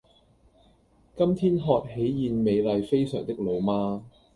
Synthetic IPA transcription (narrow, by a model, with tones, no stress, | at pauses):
kɐ˥mt̪ʰiː˥nɦɔː˧t̚he˨˥jjiː˨˧nme˨˧jlɐ˨jfe˥jsœː˨˩ŋt̪ɪ˥k̚lo˨˧wmaː˥